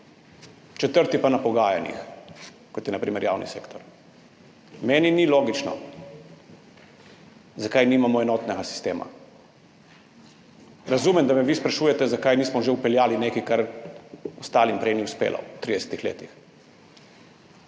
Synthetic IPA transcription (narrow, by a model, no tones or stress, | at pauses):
t͡ʃɛt̪əɾt̪ipanapɔɡaːjanjḭx | kɔt̪jɛnapɾiːmɛɾja̰ːwnḭsḛːkt̪ɔɾ | mɛːniniloːɡit͡ʃnɔ̰ | zakajniːmamɔɛnɔːt̪nɛɡasi̥st̪eːma̰ | ɾazuːmɛmd̪amɛʋispɾaʃuːjɛt̪ɛzakajniːsmɔʒeupɛljaːlinekikaɾ | ɔst̪aːlimpɾeniuspḛːlʔa̰t̪ɾid̪ɛsɛ̥t̪ixlḛːt̪ix